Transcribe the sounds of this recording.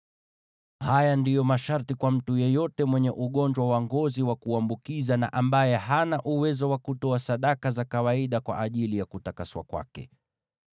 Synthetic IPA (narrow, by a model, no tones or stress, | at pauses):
hajandijɔmaʃaɾtikwam̩tujɛjɔtɛmwɛɲɛʔuɠɔɲd͡ʒwawaŋɡɔziwakuambukizana̰ʔambajɛhanaʔuwɛzɔwakutɔasaɗakazakawaiɗakwa̰ʔaʄilijakutakaswa̰kwa̰kɛ̰